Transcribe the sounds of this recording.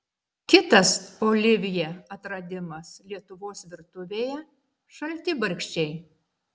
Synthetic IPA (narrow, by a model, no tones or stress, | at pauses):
kʲɪt̪ɐsoːlʲɪʋʲɪjɛɐt̪ɾɐd̪ʲɪmɐslʲiɛt̪ʊʋoːsʋʲɪɾt̪ʊʋʲeːjɛ | ʃɐlʲt̪ʲɪbɐɾʲkʲʃʲt͡ʃʲɛɪ